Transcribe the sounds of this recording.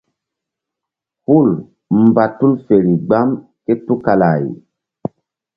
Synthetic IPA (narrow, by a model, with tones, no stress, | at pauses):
hu˦˨l | m̩˨ba˨tu˦lfe˨ɾi˨ɡ͡ba˦m | ke˦tu˦ka˨la̰˨j